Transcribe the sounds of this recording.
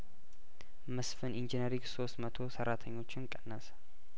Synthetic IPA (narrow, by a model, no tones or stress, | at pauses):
mɨsfɨnʔind͡ʒinəɾiɡso̞st̪mət̪ʰo̞səɾːat̪ʰəɲːo̞t͡ʃːɪnkʼənːəs